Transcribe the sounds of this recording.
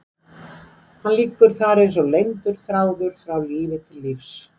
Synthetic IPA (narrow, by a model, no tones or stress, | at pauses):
hanliːkːʏɾ̥θaɾejns̬ɔlejnt̪ʏɾ̥θɾaːwðʏɾ̥fɾawliːvɪt̪ʰɪlːɪfs